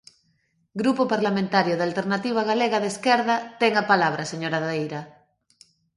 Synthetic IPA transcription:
ɡɾupopaɾlamẽnt̪aɾjoð̞alt̪eɾnat̪iβaɣaleɣaðeskeɾðat̪eŋapalaβ̞ɾaseɲoɾaðejɾa

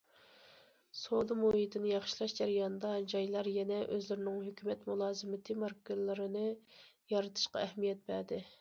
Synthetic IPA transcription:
sod̪ɨmohit̪ʰɨnɨjɑχʃilˠɑʃd͡ʒɛɾijɑnɨd̪ɑd͡ʒɑjlˠɑɾjɛnɛʔøzlɪɾɪnɪŋhøkʲʰymɛt̪mulˠɑːzɨmɪt̪ʰɨmɑɾkɨllːɨɾɨnɨ | jɑɾɨt̪ʰɨ̥ʃqɑ̰ɛhmijɛt̪̚bæɾd̪ɪ

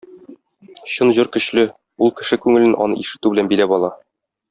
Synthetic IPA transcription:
ɕɤnʑuɾkɵ̆ɕlɵ | ulˠkɘ̆ʃɘkʉŋɘ̆lɘnʔɒ̰nɤ̰ʔiʃɘ̆t̪ʉbɘ̆lænbilæpɒlˠɑ

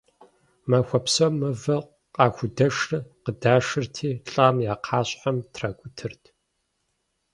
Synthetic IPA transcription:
mɐxʷɐpsɐmɨvɐq | qʼɑːxʷʊdɐʂɨqədaːʂɨrtʰiːɬʼaːmjaːqʰɑːɕħamtʰraːɡʷʊtʰɨrtʰ

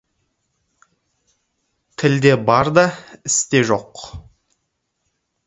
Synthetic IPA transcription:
t̪ʰɪld̪e̞bɑɾd̪ɑɪst̪e̞ʒo̞q

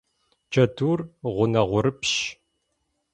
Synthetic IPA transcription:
d͡ʒɐduːrʁʷʊnɐʁʷʊɾɨpʃ

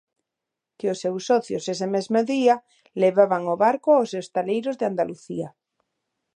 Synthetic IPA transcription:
keosːewsːɔθjosesemezmoðia | leβaβaŋoβaɾkoaosewst̪alejɾozðeand̪aluθia

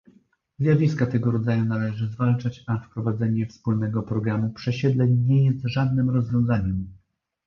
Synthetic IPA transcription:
zʲjavʲiskat̪ɛɡɔɾɔd̪zajunalɛʐɘzvalt͡ʂat͡ɕafpɾɔvad̪zɛɲɛfspulnɛɡɔpɾɔɡɾamupʂɛɕɛd̪lɛɲɲɛjɛst̪ʐad̪̚nɘmɾɔzvʲjɔ̃w̃zaɲɛm

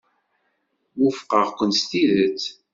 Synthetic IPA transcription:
wufqəʁkʷənst̪iðət͡s

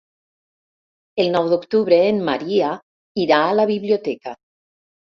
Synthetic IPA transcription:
elˠnɔwðokt̪uβɾeːmːa̰ɾia | iɾaːlaβiβliot̪ɛka

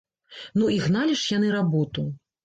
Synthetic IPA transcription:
nuiɣnalʲiʂjan̪ɨɾabɔt̪u

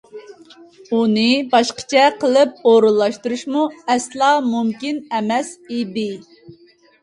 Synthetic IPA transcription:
unɨbɑʃqə̥t͡ʃʰɛqʰəlˠɨp̚oɾɨlˠːɑʃt̪uɾuʃmuɛslˠɑmumkʲinɛmɛsid̪ɪ

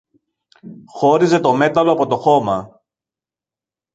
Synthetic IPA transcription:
xo̞ɾize̞t̪o̞me̞t̪ɐlo̞ɐpo̞t̪oxo̞mɐ

